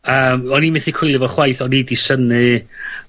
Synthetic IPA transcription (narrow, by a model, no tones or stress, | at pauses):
əːmɔniːmɪθikʰwʊjlˠɨvɔχwajθɔnidisənɨ